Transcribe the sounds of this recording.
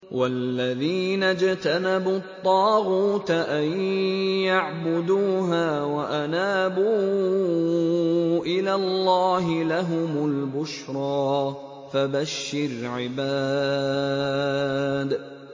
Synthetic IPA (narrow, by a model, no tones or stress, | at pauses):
wʔalːaðiːnad͡ʒt̪anabut̪ˤːɑːɣuːt̪ʔajjaʕbʊd̪uːɦaːwaʔanaːbuː | ʔɪlaːllːɑːɦɪlaɦʊmʊlbʊʃɾˤɑː | fabaʃːɪɾʕɪbaː | d̪